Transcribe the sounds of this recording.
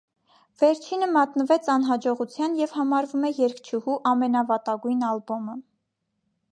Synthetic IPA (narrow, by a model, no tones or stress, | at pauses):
vɛɾt͡ʃʰinəmɑt̪nəvɛt͡sʰɑnɦɑd͡ʒɔʁut͡sʰjɑnjɛv̥hɑmɑɾvumɛjɛɾkt͡ʃʰuhuʔɑmɛnɑvɑt̪ɑɡujnɑlbɔmə